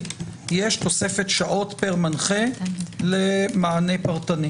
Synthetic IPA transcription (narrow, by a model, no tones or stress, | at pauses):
jeʃto̞se̞fe̞tʃaʔo̞tpeʁmanχelemaːne̞paʁt̪ani